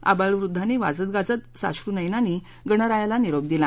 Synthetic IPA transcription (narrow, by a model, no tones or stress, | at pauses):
a̰baɭʋɾud̪ʱːaniʋa̰d͡zət̪̚ɡad͡zət̪sa̰ɕɾunəjnani | ɡəɳ̃əɾajalaniɾob̚d̪ila